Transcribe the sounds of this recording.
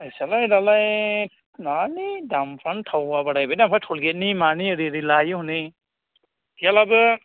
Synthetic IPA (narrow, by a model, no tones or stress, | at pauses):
asalajdalaj | nanidampʰɾantʰawbabaɽajbajdampʰɾajtʰɔlɡet̚nimaniəɾiɾilajɯhuni | ɡalabɯ